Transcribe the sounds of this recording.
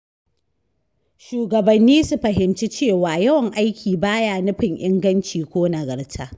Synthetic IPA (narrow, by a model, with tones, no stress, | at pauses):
ʃuː˨ɡɐ˨bɐ˨nːiː˦su˦ɸɐ˨ɦɪ˨mt͡ʃi˦t͡ʃeː˦˨waː˨jɐ˦wɐ˨ŋʔa˦jkʲʰiː˨baː˦jaː˦˨nʊ˦ɸɪ˨ŋʔɪ˦ŋɡɐ˦nt͡ʃiː˨kʷoː˦nɐ˨ɡɐ˨ɽtʰaː˦